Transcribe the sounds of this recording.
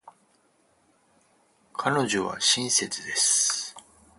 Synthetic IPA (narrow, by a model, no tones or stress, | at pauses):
kʰano̞ʑo̞βa̰ɕĩɰ̃se̞t͡sɨd̪e̞sɨ̥